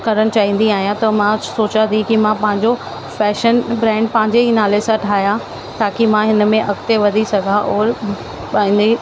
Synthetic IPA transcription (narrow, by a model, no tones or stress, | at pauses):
kɐɾəɽ̃̆t͡ɕaːɦĩːn̆d̪iaːɦijãt̪ɐmãsoːt͡ɕãt̪ʰikimãpɐ̃ɦɪ̃ɲd͡ʑo | fɛːʃənbɾɛ̃ːɳɖ̚pɐ̃ɦɪ̃ɲd͡ʑeɦinaːlesãʈʰaːɦijã | t̪aːkimãɦɪnə̆mẽʔɐɡt̪eʋɐd̪ʱisɐɡʱaʔɔːɾ | ɓaĩnd̪i